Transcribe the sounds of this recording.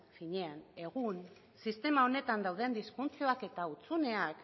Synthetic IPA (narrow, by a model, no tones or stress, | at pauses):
fiɲe̞ane̞ɣ̞un | sist̪e̞mao̞ne̞t̪and̪awðe̞nd̪isfunt͡sio̞ake̞t̪aut͡sune̞ak